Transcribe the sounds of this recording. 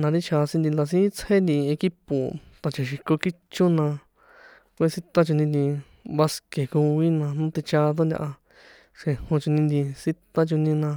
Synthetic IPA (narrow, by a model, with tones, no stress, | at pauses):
nã˧ɾi˦t͡ʃʰa˧sĩ˧nd̪i˧nd̪a˧s̬ĩ˦t͡she˦nd̪i˧e˧ki˦po˨t̪ã˨t͡ʃã˨ʃ̬i˧ko˧ki˦t͡ʃu˦nã˧ | kʷːsi˦t̪a˦t͡ʃu˧nĩ˧d̪ĩ˧ | βa˧ske˨ku˧βi˦nã˧nũ˦t̪i˧t͡ʃa˧t̪̬o˦nd̪ʲa̰˧ʔa˧ | ʂẽ˧˨hõ˧t͡ʃu˧nĩ˧nd̪i˧si˦t̪a˦t͡ʃu˧nĩ˧nã˧